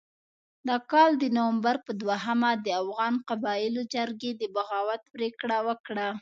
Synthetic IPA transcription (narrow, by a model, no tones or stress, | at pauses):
d̪ɑkɑld̪ənowambaɾpəd̪waɦamad̪əafɣɑnqabɑjɪlod͡ʒaɾɡed̪əbaɣɑwat̪pɾekɽawəkɽa